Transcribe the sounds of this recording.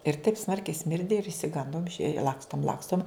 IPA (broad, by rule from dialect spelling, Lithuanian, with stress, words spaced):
ɪr tɐɪp ˈsmɐrʲkʲɛɪ ˈsʲmʲɪrʲdʲɪ ɪr ɪʃʲsʲɪˈɡɐndoːm ɪʃʲɛɪ ˈlˠɑːkstoːm ˈlˠɑːkstoːm